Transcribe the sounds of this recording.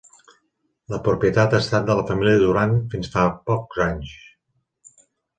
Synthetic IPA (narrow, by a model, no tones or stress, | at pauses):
ləpɾupjət̪at̪aːst̪at̪̚d̪ələfəmiliəðuɾanfinsfapɔkz̥aɲs